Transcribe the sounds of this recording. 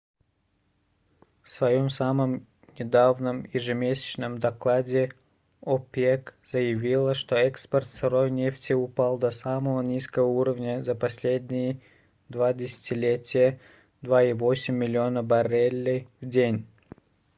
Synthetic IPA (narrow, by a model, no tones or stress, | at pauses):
fsvɐjomsaməm | nʲɪd̪avnəmjɪʐɨmʲesʲɪ̥t͡ɕnəmd̪ɐklˠadʲɪ | opʲekz̥əjɪvʲilˠəʂt̪oɛkspərt̪sɐɾojnʲeftʲɪʊpalˠd̪ɐsaməvənʲiskəvəuɾəvnʲəzəpɐsʲlʲedʲnʲɪjɪ | d̪vadʲɪsʲɪ̥tʲɪlʲetʲɪjə | d̪vaivosʲɪmʲːɪlʲɪonəbɐrʲelʲːɪvdʲenʲ